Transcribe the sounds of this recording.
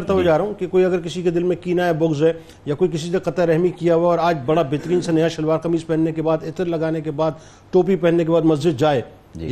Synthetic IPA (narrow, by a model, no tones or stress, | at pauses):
ɾt̪abod͡ʒaːɾɐɦũkekoːiɐɡəɾk̬ɪsiked̪ɪlmẽkiːnaɛbʊɡzɦɛ | jakoːik̬ɪs̬iseqɐt̪aɾɛɦmikijaɦuaɔːɾaːd͡ʒbɐɽabɪt̪ɾiːnsenɐjaʃɐlwaːɾkɐmiːzpɛɦnːekebaːd̪ɪt̪ɾlɐɡaːnekebaːd̪ | ʈ̪oːpipɛɦnːek̬ebaːd̪mɐzd͡ʒɪd̪̚d͡ʒaːeː